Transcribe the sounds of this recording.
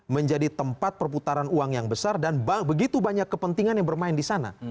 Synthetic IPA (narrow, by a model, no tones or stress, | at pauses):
məɲd͡ʒadit̪əmpat̪̚pərput̪aɾanuaŋjaŋbəsardanbabəɡit̪ubaɲakːəpənt̪iŋanjaŋbərmaɪndisana̰